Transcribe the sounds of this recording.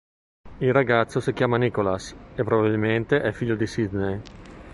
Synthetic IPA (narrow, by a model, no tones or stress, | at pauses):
ilraɡat̪sːosikjaːmanikolasepːɾobabilment̪eʔɛfiʎːod̪isid̪nej